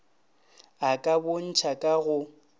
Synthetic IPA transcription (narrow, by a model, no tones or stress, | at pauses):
akʼabon̩t͡ʃʰakʼaɣʊ